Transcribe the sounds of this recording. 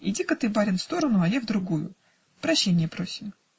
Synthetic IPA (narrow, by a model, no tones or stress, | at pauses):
ɪ̰dʲikət̪ɨbaɾʲɪnfst̪o̞ɾənʊɐjavd̪ɾʊɡujʊ̰ | pɾɐɕːenʲɪjəpɾosʲɪm